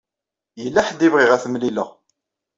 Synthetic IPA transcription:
jəlːaħd̪ivʁiʁæθəmliləʁ

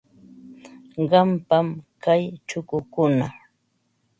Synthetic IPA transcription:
ɢɑmpamkajt͡ʃʊkʊkʊna

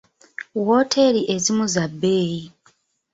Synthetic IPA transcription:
woːtʰe̞liʔe̞zimuzabːeːji

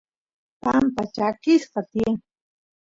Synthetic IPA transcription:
pampat͡ʃakɪsqɑt̪ɪeŋ

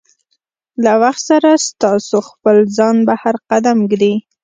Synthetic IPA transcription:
lawaxt̪saɾast̪ɑsoxpəlzɑnbahaɾqad̪amɡd̪i

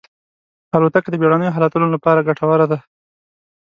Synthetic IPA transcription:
alot̪akd̪əbjeɽanəjoɦɑlat̪ulolapɑɾaɡaʈawaɾad̪a

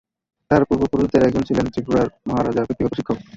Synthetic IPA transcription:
t̪aɾpuɾbopuɾuit̪eɾɛk̚d͡ʑont͡ɕʰilent̪ɾipuɾaɾmɔɦaɾad͡ʑaɾkʰit̪ːikopoʃikʰːok

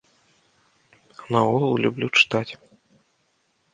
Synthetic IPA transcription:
naɔɣɐlˠlʲublʲut͡ʂɨ̥t̪at͡sʲ

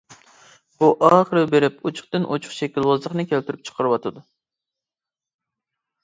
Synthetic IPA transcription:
buʔɑːχəɾɨbeɾɪput͡ʃʰʊ̥χt̪ɨnʔot͡ʃʰʊ̥χʃɛkʲilˠwɑzlˠəχnɨkʲʰɛlt̪yɾyp̚t͡ʃʰə̥qʰəɾɨwɑt̪ʰɨd̪u

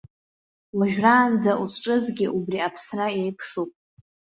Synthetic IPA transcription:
laʒᶣraːnd͡zaʔusʰʈ͡ʂʼɨzɡʲɪʔubriapʰsraejpʰʂupʼ

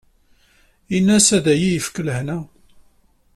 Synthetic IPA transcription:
inːæsæðæjijəfkːələhnæ

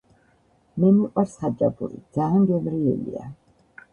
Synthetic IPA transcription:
mɛmiqʼwaɾsχad͡ʒabuɾḭd̪z̥aːnd͡ʒɛnɾiɛ̰lḭa̰

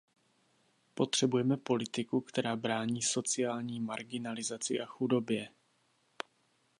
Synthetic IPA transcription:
po̞t̪r̝̥ɛbujɛmɛpo̞lɪt̪ɪkukt̪ɛɾaːbɾaːɲiːso̞t͡sɪjaːlɲiːmaɾɡɪnalɪzat͡sɪʔaxudo̞bjɛ

